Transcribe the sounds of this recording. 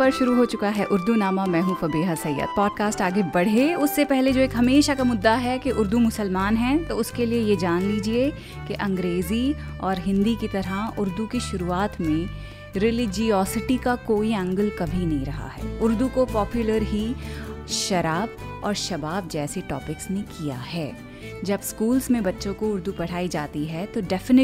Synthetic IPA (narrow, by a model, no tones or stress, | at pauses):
pɐɾʃʊɾuɦoːt͡ʃʊkaɦɛʔʊɾd̪unaːmamɛ̃ːɦũfɐbeːɦasɐjːə̰d̪̚pɔːɖ̚kaːsʈaːɡebɐɽ̤eʊsːepɛɦled͡ʒoːeːkɦɐmeːʃakamʊd̪ːaɦɛkeʔʊɾd̪umʊsəlmaːnɦɛt̪oʊskeliejed͡ʒaːnliːd͡ʒie | keʔɐ̃ŋɡɾeːziɔːɾɦɪ̃nd̪ikit̪ɐɾaʊɾd̪ukiʃʊɾuːaːt̪mẽ | ɾɪlɪd͡ʒiɔːsɪʈikakoːiɐ̃ŋɡəlkɐbʱinɐɦĩɾɐɦa̰ɦɛ̰ːʊɾd̪ukopɔːpjʊləɾɦi | ʃɐɾaːb | ɔ̰ːɾʃɐbaːb̚d͡ʒɛːseʈɔ̰ːpɪksnẽkija̰ɦɛː | d͡ʒɐbskuːlzmẽbɐtːʃõkoʊɾd̪upɐɽ̤aːid͡ʒaːt̪iɦɛt̪oɖɛːfɪnɪ